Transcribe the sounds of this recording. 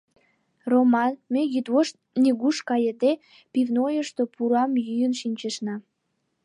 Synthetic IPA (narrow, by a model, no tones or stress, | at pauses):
romɑnmejyd̪woʃ | niɣuʃkɑjəd̪e | pivnojəʃt̪opuɾɑmjyjənʃinʲt͡ɕeʃnɑ